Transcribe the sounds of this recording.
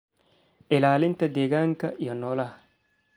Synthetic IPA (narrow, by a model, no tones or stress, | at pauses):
elaːlint̪ɐd̪eɡaŋkajanːola